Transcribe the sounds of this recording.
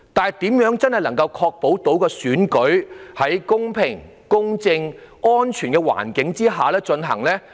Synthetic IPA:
t̪aː˨n˨˩jt̪iː˨˥mjœː˨˥ŋt͡sɐ˥nhɐ˨jlɐ˨˩ŋkɐ˧wkʰɔː˧k̚po˨˥wt̪o˨˥wkɛː˧syː˨˥nkɵ˨˥ɥhɐ˨˥jkʊ˥ŋpʰɪ˨˩ŋ | kʊ˥ŋt͡sɪ˧ŋŋɔː˥nt͡ʃʰyː˨˩nkɛː˧wa̰ː˨˩nkɪ˨˥ŋt͡siː˥ɦaː˨lɛː˥t͡ʃɵ˧nɦɐ̰˨˩ŋlɛː˥

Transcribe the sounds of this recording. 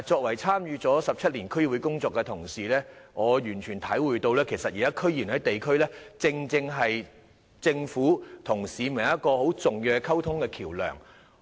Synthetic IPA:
t͡ʃɔː˧k̚wɐ˨˩jt͡sʰaː˥mjyː˨˧t͡sɔː˨˥sɐ˨p̚t͡sʰɐ˥t̚liː˨˩nkʰɵ˥ɥwu˨˧˥kʊ˥ŋt͡sɔː˧kːɛ˧t̪ʰʊ˨˩ŋsiː˨lɛː˥ŋɔː˨˧jyː˨˩nt͡ʃʰyː˨˩nt̪ʰɐ˨˥jwuː˨jt̪o˧wlɛː˥kʰe˨˩jsɐ˨t̚jiː˨˩aː˦˥kʰɵ˥ɥjiː˨˩nɦɐ˨˥jt̪e˨jkʰɵ˥ɥlɛː˥t͡sɪ˧ŋt͡sɪ˧ŋɦɐ˨j | t͡sɪ˧ŋfuː˨˥t̪ʰʊ˨˩ŋsiː˨mɪ˨˩ɐ˥t̚kɔː˧ho˨˥wt͡sʊ˨ŋjœː˨˧kʰɐ˥wt̪ʰʊ˥ŋkɛː˧kʰiː˨˩wlœ̰ː˨˩ŋ

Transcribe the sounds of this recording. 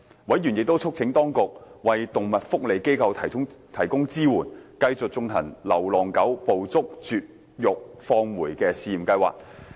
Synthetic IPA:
wɐ˨˥jjyː˨˩njɪ˨k̚t̪o˥wt͡sʰʊ˥k̚t͡sʰɪ˨˥ŋt̪ɔː˥ŋkʊ˨k̚wɐ˨jt̪ʊ˨ŋmɐ˨t̚fʊ˥k̚le˨˧jke˥jkʰɐ˧wt̪ʰɐ˨˩˥t̪ʰɐ˨˩jkʊ˥ŋt͡siː˥wuː˨˩nkɐ˧jt͡sʊ˨k̚t͡sʊ˧ŋhʰɐ̰˨˩ŋlɐ˨˩wlɔː˨˩ŋkɐ˨˥wpo˨wt͡sʊ˥k̚t͡ʃyː˨t̚ | jʊ˨k̚fɔː˧ŋwuː˨˩jkɛː˧siː˨˧jiː˨˩mkɐ˧jwa̰ː˨k̚

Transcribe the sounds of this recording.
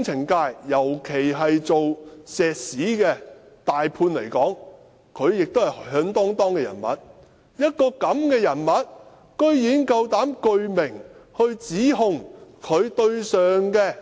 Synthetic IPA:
ŋt͡sʰɪ˨˩ŋkaː˧jːɐ˨˩wkʰe˨˩jɦɐ˨jt͡so˨wsɛː˨k̚siː˨˥kɛː˧t̪aː˨jpʰuː˧nle˨˩jkɔː˨˥ŋ | kʰɵ˨˧ɥjɪ˨k̚t̪o˥whɐ˨jhhœː˨˥ŋt̪ɔː˥ŋt̪ɔː˥ŋkɛː˧jɐ̰˨˩nmɐ̰˨˥t̚ | jɐ˥t̚kɔː˧kɐ˨˥mkɛː˧jɐ˨˩nmɐ˨˥t̚ | kɵ˥ɥjiː˨˥nkɐ˧wt̪aː˨˥mkɵ˧ɥmɪ˨˩ŋhɵ˧ɥt͡siː˨˥ɦʊ˨˧ŋkʰɵ˨˧ɥt̪ɵ˧ɥsœː˨ŋkɛː˧

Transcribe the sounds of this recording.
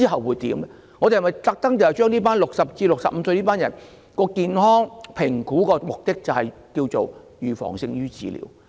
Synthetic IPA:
i˥ɦɐ˨wuː˨˧jt̪iː˨˥mlɛ˥ | ŋɔː˨˧e˨˩hɐ˨˩mɐ˨jt̪ɐ˧k̚t̪ɐ˥ŋt̪hɐ˨˩jt͡ʃœː˥ŋniː˥paː˥nlʊ˨k̚sɐ˨p̚t͡siː˧lʊ˨ksɐ̰˨p̚m̩˨˧sɵ˧niː˥paː˥njɐ˨˩n | kɔː˧kiː˨˧nɦɔː˥ŋpʰɪ˨˩ŋkuː˨˥kɔː˧mʊ˨k̚t̪ɪ˥k̚t͡sɐ˨whɐ˨j | kiː˧wt͡so̰˨w | jyː˨fɔ̰ː˨˩ŋsɪ˧ŋjyː˥t͡sḭː˨˧lḭː˨˧˥w

